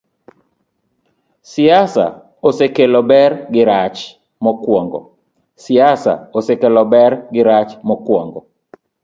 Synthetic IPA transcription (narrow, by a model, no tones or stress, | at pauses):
sɪasa̰ | osekelɔbɛrɡɪɾat͡ʃ | mɔkwɔŋɡɔ̰ | sɪasa̰osekelɔbɛrɡɪɾat͡ʃmɔkwɔŋɡɔ